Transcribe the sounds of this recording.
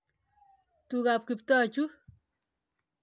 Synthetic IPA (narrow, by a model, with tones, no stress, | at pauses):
tuka˨p̚ki˨ptɔ˦t͡ʃu˦